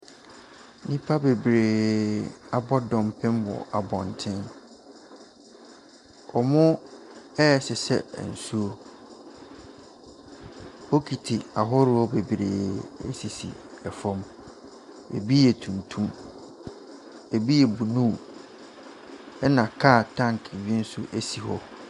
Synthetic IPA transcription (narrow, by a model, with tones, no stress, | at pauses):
nĩ˦pʰa˦be˨bɾeː˨ | a˨bɔ˦dɔ̃˨m˨pʰɪ̃˦mbɔ̰˨ʔa˨bɔ̃˨n˨tʰɪ̃˦n | ɔ˨mʊ̃˦ɛ˦˨sɪ˨sɛ̰˦˨n̩˨su˦o˦ | ho˦kʰi˨tʰi˨a˨ɦɔ˦ɾɪ˦ɔ˦be˨bi˨ɾḛː˨ḛ˦si˨sḭ˨ɛ˨fɔ̃˦m | ḛ˨bi˦jɛ˨tʰũ˨ntʰũ˦m | e˨bi˦jɛ˨bu˨nũ˦˨ | ɛ˦nã˨kʰa˦˨tʰã˦˨ŋkʰbi˦e˦n̩˦sʊ˦ʔæ˦si˨hɔ˦